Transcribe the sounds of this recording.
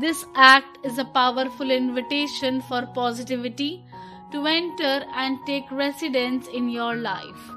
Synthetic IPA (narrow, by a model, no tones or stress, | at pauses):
d̪ɪsæk̚ʈɪzəpaʊʋəɾfʊlɪ̃nʋɪʈeːʃə̃nfɔːɾpɔːzɪʈɪʋɪʈi | ʈuɛ̃ɳʈəɾɛ̃ɳɖ̚ʈeːkɾɛsɪɖə̃nsɪ̃njɔːɾlaɪf